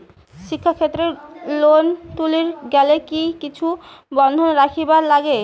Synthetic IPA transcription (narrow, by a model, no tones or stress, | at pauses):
ʃikʰːakʰet̪ːɾelont̪uliɾɡɛlekikit͡ɕʰubɔnd̪ʱonɾakʰibaɾlaɡe